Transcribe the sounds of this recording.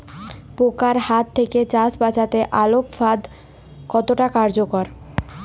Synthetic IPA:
pokaɾhat̪ʰːeket͡ɕasbat͡ɕat̪eʔalokfad̪ | kɔt̪oʈakaɾd͡ʑokoɾ

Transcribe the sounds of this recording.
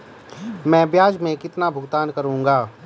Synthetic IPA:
mɛ̃ːbjaːd͡ʒmẽkɪt̪nabʱʊɡt̪aːnkɐɾũːŋɡaː

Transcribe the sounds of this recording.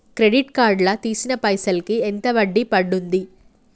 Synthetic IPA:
kɾeɽiʈkaːɾɖlɐt̪iːsinɐpɐjsɐlkient̪ɐʋɐɖːipɐɖːund̪i

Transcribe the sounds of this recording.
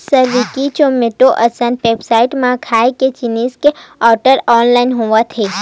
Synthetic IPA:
səɾʋikit͡ʃomeʈoʔəsənpebsaiʈmãkʰajket͡ʃiniskeɔɾʈəɾɔnlainɦoʋãt̪ʰe

